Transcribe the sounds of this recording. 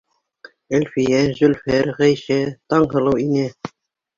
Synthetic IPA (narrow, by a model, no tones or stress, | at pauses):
ɘ̆lʲfijæzɵ̆lʲfæɾʁæjʃæt̪ɑɴɦɤ̆lˠɤwinæ